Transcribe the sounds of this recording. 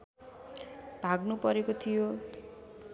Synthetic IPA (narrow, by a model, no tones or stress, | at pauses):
bʱaɡnupʌɾekot̪ʰijo